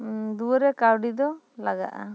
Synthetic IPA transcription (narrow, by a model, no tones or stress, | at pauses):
d̪uɾɛkawɖid̪ɔ | laɡa̰ʔa̰